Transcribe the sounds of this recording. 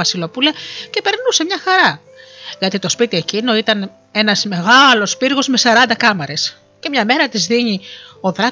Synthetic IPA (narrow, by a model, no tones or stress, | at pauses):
ɐsilo̞pulɐce̞pe̞ɾnuse̞mɲɐxɐɾɐ | ʝɐt̪it̪o̞spit̪ie̞cino̞it̪ɐn | e̞nɐzme̞ɣɐlo̞spiɾɣo̞zme̞sɐɾɐnd̪ɐkɐmɐɾe̞s | ce̞mɲɐme̞ɾɐt̪izðiɲio̞ðɾɐ